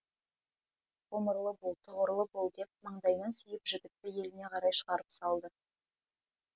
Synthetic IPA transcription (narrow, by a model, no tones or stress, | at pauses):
χoməɾlˠəbolˠt̪ʰʊʁəɾlˠəbolˠd̪e̞p̪̚məɴd̪ɑjnɑnsʏjɪpʒɪɡʲɪt̪ːɪje̞lɪne̞qʰɑɾɑjʃəʁɑɾəpsɑlˠd̪ə